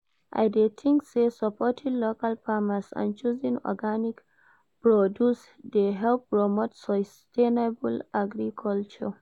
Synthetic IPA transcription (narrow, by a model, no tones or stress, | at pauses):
ʔa̰jdetʰĩŋksesapʰɔtʰĩnlokalpʰamasã̰nt͡ʃuzĩŋɔ̰ɡanik | pɹɔdjus | deɦɛlp̚ɹɔmotsɔstʰenabulaɡɾikʰɔlt͡ʃɔ̰